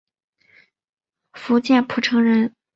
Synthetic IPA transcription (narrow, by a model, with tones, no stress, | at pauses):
fu˧˥t͡ɕjɛ˥˩npʰu˨˩ʈ͡ʂʰɤ˧˥ŋɻə˧˥n